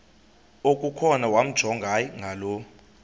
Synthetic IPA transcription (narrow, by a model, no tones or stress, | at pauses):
okʼukʰɔnawam̩d̥ʒ̥ʱɔŋɡʱajŋɡʱalɔ